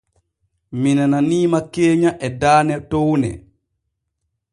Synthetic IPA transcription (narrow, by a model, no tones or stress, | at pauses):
minananiːmakːeːɲaʔɛdaːnɛtownɛ̰